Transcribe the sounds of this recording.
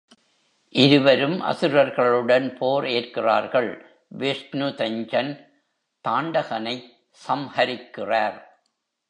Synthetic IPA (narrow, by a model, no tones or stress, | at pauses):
ʔɪɾɯʋɐɾɯmʔɐ̰sɯɾɐɾɣɐɭɯɽɐnpʰoːɾeːrkɪra̰ːɾɣɐɭ | ʋesnɯt̪ɐɲd͡ʒɐn | t̪aːɳɖɐɣɐnɐɪ | sɐmhɐɾɪkːɪraːɾ